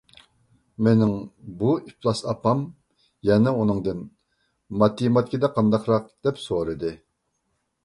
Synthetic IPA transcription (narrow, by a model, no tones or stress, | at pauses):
menɪŋbuiplˠɑsɑpɑm | jɛnɛunɨŋd̪ɨn | mɑt̪ːimɑt̪̚kʲid̪ɛqʰɑnd̪ɑqɾɑq̚d̪̥ɛpsoɾɨd̪ɨ